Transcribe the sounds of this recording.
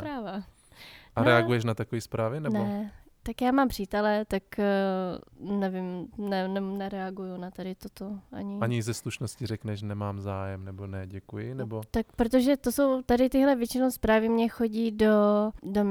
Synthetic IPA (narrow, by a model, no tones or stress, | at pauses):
pɾaːva | ʔaɾɾɛaɡɡujɛʃ̬nat̪akoviːspɾaːvɪnɛnɛ | t̪akjaːmaːmpr̝̥iːt̪ɛlɛt̪ak | nɛvɪmnɛnɛnɛɾɛaɡujunat̪adɪt̪ot̪oʔa̰ɲɪaɲɪzɛsluʃnoscɪrɛknɛʃnɛmaːmzaːjɛmnɛbo̞nɛɟɛkujɪnɛbot̪ak̚pɾot̪̬oʒɛt̪o̞so̞wt̪adɪt̪ɪɦlɛvjɛt͡ʃɪnowspɾaːvɪmɲɛxo̞ɟiːdo̞dom